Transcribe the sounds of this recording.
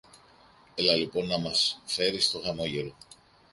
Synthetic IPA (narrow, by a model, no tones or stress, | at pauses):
elɐlipo̞nːɐmɐsfe̞ɾist̪o̞ɣɐmo̞ʝe̞ɾo̞